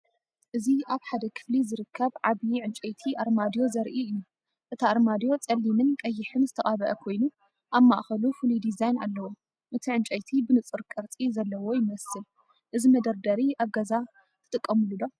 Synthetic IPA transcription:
ʔɨziʔaβħad̪ɐkʰɨ̥flizɨɾɨkʰːɐβʕaβjiʕɨnt͡ʃʼɐjt̪ʰiʔaɾmad̪jo̞zɐɾʔiɨjːu | ʔɨt̪ʰaʔaɾmad̪jo̞t͡sʼɐlːimɨnkʼɐjːɪħɨnzɨt̪ʰɐʔʼaβɐʔɐkʰo̞jnu | ʔaβmːaʔxɐlufulid̪izajna̰lːɐwo | ʔɨt̪ʰiʕɨnt͡ʃʼɐjt̪ʰibɨnɨt͡sʼɨɾkʼɨɾt͡sʼizɐlːɐwo̞jɪmɐsɨl | ʔɨzimɐd̪ɐɾd̪ɐɾiʔaβɡɐza | t̪ʰɨt̪ʼɨkʼːɐmɨlud̪o̞

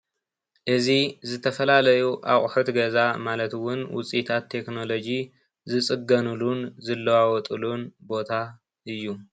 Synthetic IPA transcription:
ʔɨzizɨt̪ʰɐfɐlalɐjuʔa̰χʼħut̪ɡɐzamalɐt̪wʊnwʊ̰t͡sʼit̪ʰat̪ʰːe̞kno̞lo̞d͡ʒi | zɨt͡sʼɨɡɐnulunzɨlːɐwawɔt̪ʼulunbo̞t̪ʰa | ɨjːu

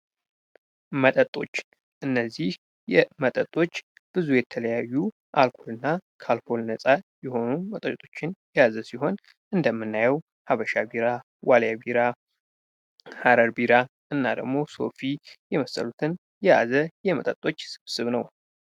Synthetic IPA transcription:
mət̪ʼət̪ʼːo̞̰t͡ʃː | ʔɨnːəzːih | jɛmət̪ʼət̪ʼo̞t͡ʃː | b̥ɨzujɛt̪ʰələjajːu | ʔalkʰo̞lɨnːakʰalkʰo̞lnəsʼajɛho̞numət̪ʼət̪ʼo̞t͡ʃːɪnjɛjazəsiɦo̞n | ʔɨnd̪əmːɨnːajɛw | haβəʃabiɾa | waljabiɾa | haɾəɾbiɾa | ʔɨnːa̰d̪ə̰ɡmo̞so̞̰fijɛməsə̰lut̪ʰɨn | jɛja̰zəjɛmət̪ʼət̪ʼːo̞t͡ʃːsɨ̥βsɨβnəw

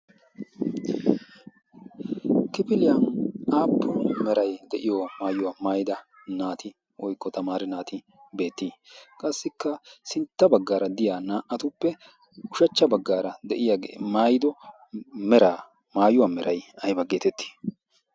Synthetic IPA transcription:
kɪpɪlɪjaʔaːpʰːɔmɛɾɐjd̪ɛʔɪjɔmaːjʊwaːmaːjɪd̪ɐ | naːt̪ʰɪ | ʔɔjkːɔt̪ɐmaːɾɛnaːt̪ɪ | be̞ːt̪ːiːkʼɐsːɪkːɐsɪnt̪ːɐbɐɡːaːɾɐd̪ɪjaːnaːʔɐt̪ʊpːɛ | ʊʃɐt͡ʃːɐbɐɡːaːɾɐd̪ɛʔɪjaːɡḛːmaːjɪd̪ɔ | mɛɾaː | maːjʊwamɛɾʔɐjɐjbɐɡeːt̪ɛt̪ːi̥ː

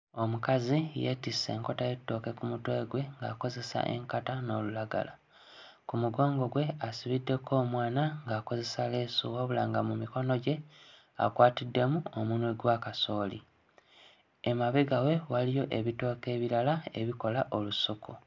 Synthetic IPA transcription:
o̞mukazijḛtise̞̰ːŋko̞tajetːo̞ːke̞kumutwe̞ːɡwe̞ŋɡa̰ːko̞ze̞sa̰ʔe̞̰ŋkatano̞ːlulaɡa̰la̰ | kumuɡoːŋɡo̞ɡwe̞asiβidːe̞kʰo̞ːmwaːnaŋɡaːko̞ze̞saleːsuwoβula̰ːŋɡamumiko̞no̞ɟe̞ | a̰kwaːtidːe̞muomunweɡwakaso̞ːlḭ | emaβeɡawe̞walijo̞ʔe̞βito̞ːke̞ːβiɾalae̞̰βiko̞laʔo̞lusukʰu

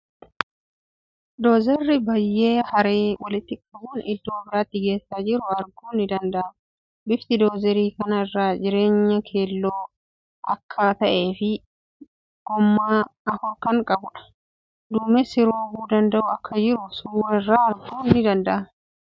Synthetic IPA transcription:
d̪oːzɛrːɪbɐjːeːhɐɾeːwɐlɪt̪ːɪkʼɐbuːnɪd̪ːoːbɪɾaːt̪ːɪɡe̞ːsːaːd͡ʒɪɾʊɐɾɡuːnːɪd̪ɐnd̪ɐʔɐ | bɪft̪ɪd̪oːzɛɾiːkɐnɐɪrːaːd͡ʒɪɾe̞ːɲːɐkʰe̞ːlːoː | ʔɐ̰kʰːaːt̪ɐʔe̞ːfɪ | ɡ̥ɔmːaːɐfɔɾkɐŋkʼɐbʊᶑɐ̥ | d̪uːmɛsɪɾoːbuːd̪ɐnd̪ɐʔʊɐkːɐd͡ʒɪɾʊsuwɐɪrːaːɐɾɡuːnːɪd̪ɐnd̪ɐʔɐ

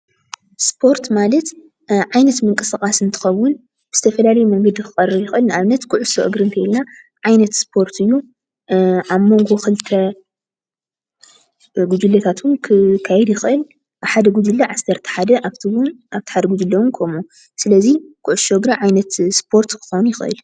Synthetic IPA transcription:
spʰo̞ɾt̪malɐt̪ | ʕajnɐt̪mɨŋkʼɨsakʼasɨnt̪ʰɨ̥xɐwːʊn | b̥ɨzɨt̪ʰɐfɐlalɐjumɐŋɡɐd̪ikɨxʼɐrɨjɪxʔɨlnɨaβnɐt̪kʰʊʕʊsoʔɨɡɾɨnt̪ʰɐjlna | ʕajnɐt̪spʰo̞ɾt̪ʰɨjːu | ʔaβmo̞ŋɡo̞xɨlt̪ʰɐ | ɡud͡ʒ̪ulːɐt̪ʰat̪ʰunkʰɨkʰajɛd̪jɪxʔɨl | ʔaβħad̪ɐɡud͡ʒ̪ɨlːaʕasːɐɾt̪ʰi̥ħad̪ɐʔaβt̪ʰiwnaβt̪i̥ħad̪ɐɡud̪ulːɐwunkʰomu | sɨlɐzikʰʊʕʊʃoɨɡɾiʕajnɐt̪spʰo̞ɾt̪kʰɨ̥xonujɪxʔɨ̰l

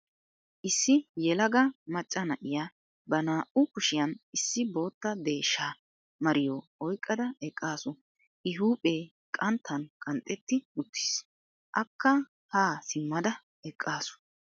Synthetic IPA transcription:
ʔɪsːɪjɛlɐɡɐmɐt͡ʃʼːɐnɐʔɪja | bɐnaːʔʊkʊʃɪjɐnɪsːɪbo̞ːt̪ːɐd̪e̞ːʃːaː | mɐɾɪjoːɔjkʼːɐd̪ɐɛkʼːaːsʊ | ʔɪɦuːpʼeː | kʼɐnt̪ʰːɐnkʼɐnt̪ʼːɛt̪ːɪʊt̪ːi̥ːs | ʔɐkːɐ | haːsɪmːɐd̪ɐ | ɛkʼːaːsʊ̥

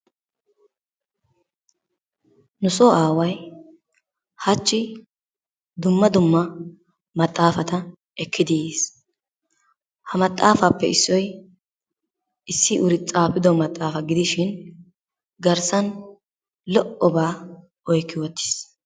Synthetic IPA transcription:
nʊsɔʔaːwɐj | hɐt͡ʃːɪ | d̪ʊmːɐd̪ʊmːɐ | mɐt̪ʼːaːfɐt̪ɐ | ʔɛkːɪd̪ɪeːs | hɐmɐt̪ʼːaːfɐpːɛ̰ɪsːɔj | ʔɪsːɪʔʊɾɪt͡sʼaːpɪd̪ɔmɐt̪ʼːaːfɐɡɪd̪ɪʃɪn | ɡɐɾsɐn | lɔʔɔbaː | ɔjkːɪwɔt̪ʰːɪ̥s

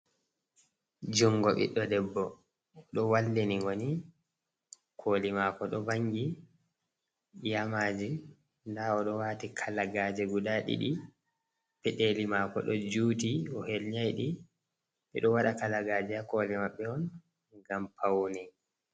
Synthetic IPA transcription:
d͡ʒuŋɡɔɓḭɗɔdɛbːɔ | ɗɔwalːiniŋɡoni | kʰoːlimaːkɔɗɔbaŋɡi | jamad͡ʒi | ndaɔɗɔwaːtikʰalaɡad͡ʒɛɡudaɗḭɗi | pɛɗelimakɔ̰ɗɔd͡ʒuːtiɔhelɲajɗi | ɓɛ̰ɗɔwaɗakalaɡaːd͡ʒɛakɔːlɛmaɓːɛɔn | ɡampʰawnɛ

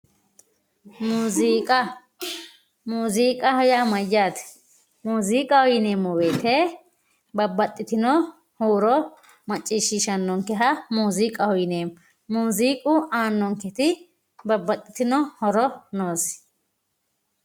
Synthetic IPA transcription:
muːziːkʼɐ | muːziːkʼɐhɔjamɐjːaːt̪ | muːziːkʼɐhɔjɪneːmːɔweːt̪e | bɐbːɐt̪ʼːɪt̪ɪnɔ | huːɾɔ | mɐt͡ʃʼːiːʃːɪʃɐnːɔŋkːɛɦɐmuːziːkʼɐhɔjɪneːm | muːziːkʼʊaːnːɔŋkɛt̪ɪ | bɐbːɐt̪ʼːɪ̥t̪ɪnɔhɔɾɔnoːs

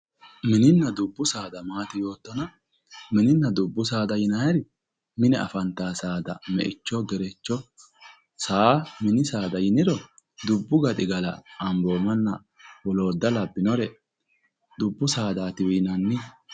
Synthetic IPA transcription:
mɪnɪnːɐd̪ʊbːʊsaːd̪ɐmaːt̪ɪjo̞ːt̪ːɔnɐ | mɪnɪnːɐd̪ʊbːʊsaːd̪ɐjɪnɐjɐɾɪ | mɪnɛɐfɐnt̪ːaːsaːd̪ɐ̰mɛ̰ʔɪt͡ʃːɔɡɛɾɛt͡ʃːɔ | saːmɪnɪsaːd̪ɐjɪnɪd̪ɔ | d̪ʊbːʊɡɐt̪ʼɪɡɐlɐ̰ɐmbo̞ːmɐnːɐ | wɔlo̞ːd̪ːɐlɐbːɪnɔɾɛ | d̪ʊbːʊsaːd̪aːt̪ɪwiːnɐnːɪ

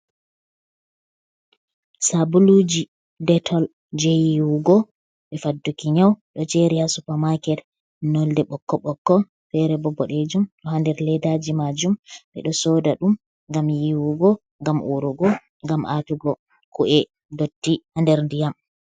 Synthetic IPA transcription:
sabulud͡ʒi | dɛtʰɔl | d͡ʒɛjiwuɡɔ | ɓɛfadːukiɲawɗɔt͡ʃɛɾihasupamakɛt | nɔldɛɓɔkːɔɓɔkːɔ | fɛɾɛbɔbɔɗed͡ʒumɗɔhandɛɾlɛdad͡ʒimad͡ʒumɓɛ̰ɗɔsɔdaɗum | ŋɡamjiwuɡɔ | ŋɡamʔuɾuɡɔ | ŋɡamʔatuɡɔ | kuʔɛ | dotːihandɛɾndijam

